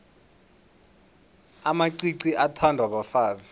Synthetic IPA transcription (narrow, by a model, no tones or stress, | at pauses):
amaǀiǀiʔatʰandʱwaɓɔfaːza